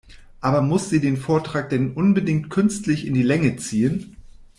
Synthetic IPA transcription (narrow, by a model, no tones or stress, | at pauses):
ʔaːbɐmʊsz̥iːdeːnfoːɐtʁ̥aːk̚d̥ɛnʔʊnbədɪŋk̚tkʰʏnstlɪçɪndiːlɛŋət͡siːən